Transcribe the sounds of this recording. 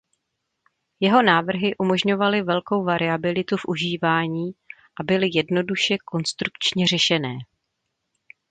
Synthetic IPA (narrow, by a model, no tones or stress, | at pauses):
jɛɦo̞naːvr̩ɦɪʔumo̞ʒɲo̞valɪvɛlko̞wvaɾɪabɪlɪt̪ufʔuʒiːvaːɲiːʔabɪlɪjɛdno̞duʃɛko̞nst̪ɾukt͡ʃɲɛr̝ɛʃɛnɛː